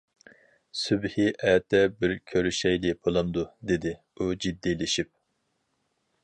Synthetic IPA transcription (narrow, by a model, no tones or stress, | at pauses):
sybhiʔɛːt̪ʰɛbɪɾkʲʰøɾyʃɛjlɪpʰolˠɑnd̪ud̪ed̪ɪ | ud͡ʒid̪ːilɪʃip̚